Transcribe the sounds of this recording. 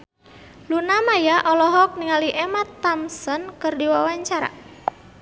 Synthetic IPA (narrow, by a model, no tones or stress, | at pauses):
lunamajaʔɔlɔɦɔk̚niŋaliʔemat̪ːamsənkɨrdiwawaɲt͡ʃaɾa̰